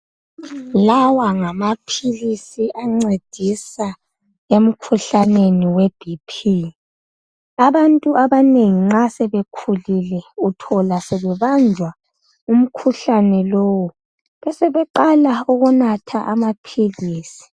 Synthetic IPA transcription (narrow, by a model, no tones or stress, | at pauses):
lawaŋamapʰilisiʔaŋ͡ǀed̥ʱisa | em̩kʰuɬaneniweb̥ʱipʰi | aβantʼuaβaneŋiŋ͡ǁasɛβekʰulilɛutʰɔlasɛβɛβand͡ʒʱwa | um̩kʰuɬanɛloːwu | βɛsɛβɛǃalauɣunatʰaʔamapʰiliːsi̥